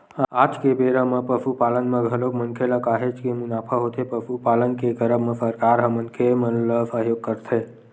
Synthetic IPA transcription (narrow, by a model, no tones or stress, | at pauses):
ad͡ʒkebeɾəmə̃pəfupalənmə̃ɡʱəlokmənkʰeləkaɦed͡ʒkemunaːpʰəɦot̪ʰepəfupalənkekəɾəmːə̃səɾkaɾɦəmənkʰemənləsəɦjoɡ̚kəɾt̪ʰe